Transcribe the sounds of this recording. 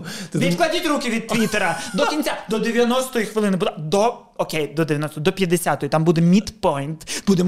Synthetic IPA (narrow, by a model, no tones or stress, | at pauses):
ɪʋʲid̪klˠɐdʲitʲrukɪʋʲid̪̚t̪ʋʲit̪eɾɐd̪ɔkʲinʲt͡sʲad̪ɔd̪eʋʲjɐnɔst̪ɔjixʋɪlˠɪnɪbud̪ˠad̪ɔ | ɔkʲejd̪ɔd̪eʋʲjɐnɔst̪ɔjd̪ɔpʲjɐd̪esʲat̪ɔjit̪ambud̪ɛmʲit̪pɔjnt̪bud̪em